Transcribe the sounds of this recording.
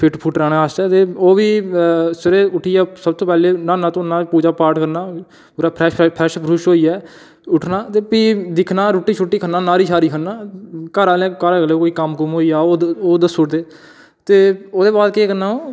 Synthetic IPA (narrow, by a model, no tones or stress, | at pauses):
pʰɪʈpʰuːʈɾaːɽãːast̪ɛːt̪eːoːʋiːsəɾeːʊʈʰːiːɛːsəbt̪oːpɛːleːnãːnãːt̪õːnãːpuːd͡ʒaːpaːɾʈkəɾnaː | ɾaːpʰɛːpʰɛːʃpɾuʃɦoːiːɛː | ʊʈʰnaːt̪eːpiːd̪ɪkʰnaːɾʊʈːiːt͡ʃʰʊʈːiːkʰənaːnaːɾiːʃaːɾiːkʰənaːkəːɾaːlẽːkaːɾaːkəleːkoːiːkəmkəmɦoːiːaːoːoːd̪əsʊːʈt̪eː | t̪eːoːd̪eːbaːd̪keːkəɾnaːoː